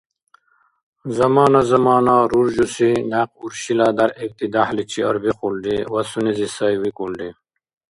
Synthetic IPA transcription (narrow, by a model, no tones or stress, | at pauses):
zɐmaːnazɐmaːnaɾuɾd͡ʑusinaq̚uɾɕilad̪ɐɾek̚t̪id̪aħlit͡ɕʰiɐɾbixulɖiwɐsunizisɐjwikulɖi